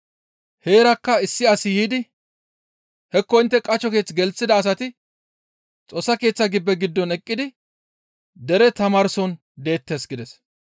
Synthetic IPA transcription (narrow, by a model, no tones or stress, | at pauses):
he̞ːɾɐkːɐɪsːɪɐsɪjiːd̪ɪ | hɛkːɔɪnt̪ːɛkʼɐt͡ʃːɔke̞ːt͡sːɡɛlt͡sːɪd̪ɐːs̬ɐt̪ɪ | t͡sʼo̞ːsːɐke̞ːt͡sːɐɡɪbːɛɡɪd̪ːɔnɛkʼːɪd̪ɪ | d̪ɛɾɛt̪ɐmaːɾsɔn | d̪e̞ːt̪ːe̞ːsɡɪd̪ɛs